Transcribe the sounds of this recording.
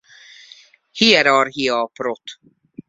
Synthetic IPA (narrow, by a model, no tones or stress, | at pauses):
hiɛɾɑːɾɦiɑːpɾot̪